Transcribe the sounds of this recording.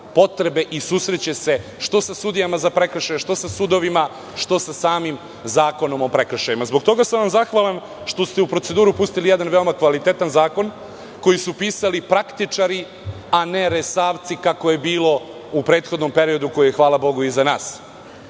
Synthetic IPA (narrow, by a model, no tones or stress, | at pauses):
po̞t̪ɾe̞be̞ʔisuːsɾet͡ɕese̞ʃt̪o̞sasud̪ijamazapɾekɾʃajeʃt̪o̞sasud̪o̞ʋima | ʃt̪o̞sasaːmim | zaːko̞no̞mo̞pɾekɾʃajimazbo̞kt̪o̞ɡasamʋamzaxʋalen | ʃt̪o̞st̪e̞upɾo̞t̪e̞d̪uːɾupust̪ilijed̪anʋe̞o̞makʋalit̪e̞t̪anzaːko̞n | ko̞jisupiːsalipɾakt̪it͡ʂaɾi | ane̞ɾesaːʋt̪sikako̞je̞biːlˠo̞ | upɾe̞ːt̪xo̞d̪no̞mpe̞ɾio̞d̪uko̞jijexʋaːlˠabo̞ɡuizanaːs